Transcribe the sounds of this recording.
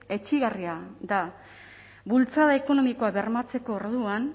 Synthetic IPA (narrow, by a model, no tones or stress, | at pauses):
e̞t͡ʃiɣariad̪a | βult͡saðae̞ko̞no̞miko̞aβe̞ɾmat͡se̞ko̞ːɾðuan